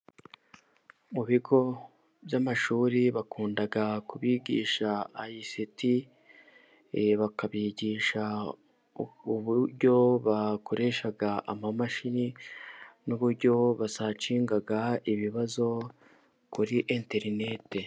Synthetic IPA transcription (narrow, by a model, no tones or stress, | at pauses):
muβiɡo̞ | βjamaʃuːɾiβakuːndaɡakuβiːɟḭːʃaːjisiti | βakaβiːɟiːʃa | uβuɾɟo̞βakʰo̞ɾʔe̞ʃaɡaa̰mamaʃini | nuβuɾɟo̞βasat͡ʃiːŋɡaɡaiβiβazo̞ | kuɾiʔente̞ɾine̞te̞